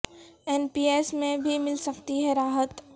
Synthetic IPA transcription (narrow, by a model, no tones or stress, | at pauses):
ɛːnpiːeːsmẽbʱimɪlsɐkt̪iɦɛɾaːɦət̪